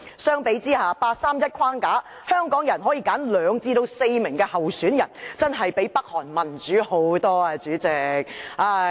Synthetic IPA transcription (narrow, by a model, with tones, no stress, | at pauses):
sœː˥ŋpe˨˥jt͡siː˥haː˨˩paː˧t̚saː˥mjɐ˥t̚kʰaː˥ŋkaː˨˥ | hœː˥ŋkɔː˨˥ŋjɐ˨˩nɦɔː˨˥jiː˧kaː˨˥nlœː˨˧ŋt͡siː˧t̪o˧wse˧jmɪ˨˩ŋkɛː˧hɐ˨wsyː˨˥njɐ̰˨˩nt͡sɐ˥nɦɐ˨jpe˨˥jpɐ˥k̚hɔː˨˩nmɐ˨˩nt͡ʃyː˨˥ho˨˥wt̪ɔː˥ɐ˧t͡ʃyː˨˥t͡sɪ˨˩k̚aː˧